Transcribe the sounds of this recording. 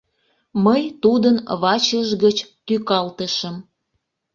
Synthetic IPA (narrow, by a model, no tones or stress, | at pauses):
məjt̪ud̪ənβɑt͡ɕəʒɣət͡ɕt̪ykɑlt̪əʃəm